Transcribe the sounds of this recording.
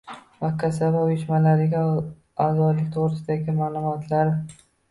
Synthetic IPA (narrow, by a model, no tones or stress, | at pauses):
vakʲʰːasavaʊjɪʃmalaɾɪɡʲa | azɒd̪lɪk̚ʲt̪ʰoʁɾɪsɪd̪aɡʲɪmaːlˠʊmɒt̪ʰlaɾ